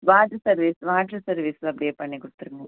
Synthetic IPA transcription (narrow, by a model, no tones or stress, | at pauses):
ʋaːʈːɐsɐɾʋisʋaːʈɾɐsɐɾʋiːsɐpːɐɽieːpɐɳːikuɽut̪ːɐɾuŋɡɐ